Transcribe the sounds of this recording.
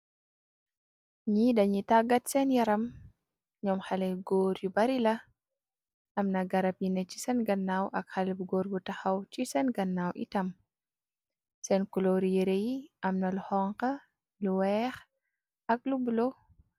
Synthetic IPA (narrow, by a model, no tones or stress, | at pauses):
ɲidɐɲitaɡɐtsɛnjɐɾɐm | ɲɔmxɐlɛɡɔːɾjubɐɾilɐ | ʔɐmnɐɡɐɾɐpjinɛcisɛnɡɐnːawʔɐkxɐlbuɡɔːɾbutɐxɐwcisɛnɡɐnːawʔḭtɐm | sɛnkulɔɾijeɾejiʔɐmnɐluhɔŋqɐ | luwɛːx | ɐk̚lubulo